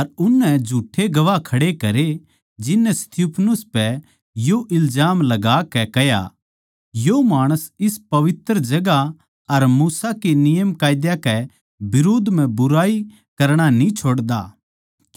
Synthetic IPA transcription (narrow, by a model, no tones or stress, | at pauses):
ɐɾʊnːɛ̃d͡ʒʱuːʈʰeɡɐʋakʰɐɽekɐɾe | d͡ʒɪnːɛst̪ʰjuːpʰnʊspɛ | joʔɪlzaːmlɐɡaːkɛkɛɦja̰ | jomaːɽ̃əsɪspɐʋɪt̪ɾəd͡ʒɐɡa | ɐɾmuːsakenɪjəmkaːjd̪jakɛ | bɪɾoːd̪ʱm̤ɛ̃bʊɾaːi | kɐɾɽ̃anĩt͡ʃʰoːɽd̪a̰ː